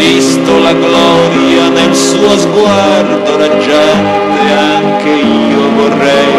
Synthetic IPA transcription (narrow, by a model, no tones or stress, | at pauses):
ist̪olaɡlɔ | ɾjanelsuːozɡwa | rd̪oɾad͡ʒːa | t̪e | aŋk̟e | iːovorːɛj